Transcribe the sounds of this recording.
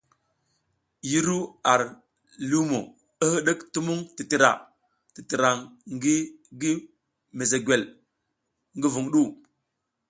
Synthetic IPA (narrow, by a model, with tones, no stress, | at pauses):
ji˦ɾu˦a˨ɾ | lu˦mo̰˨ | ə˦hə˦ɗə˦ktu˦mu˦ŋti˨ti˨ɾa̰˨ | ti˨ti˨ɾa˨ŋɡ | ɡi˦ | me˨ze˨ɡʷe˨l | ŋɡi˦vu˨ŋɗu˦˨